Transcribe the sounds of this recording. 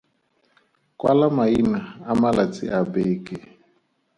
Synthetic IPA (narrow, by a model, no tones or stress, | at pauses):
kwa̰lamainaamalat͡sḭʔabeːkɛ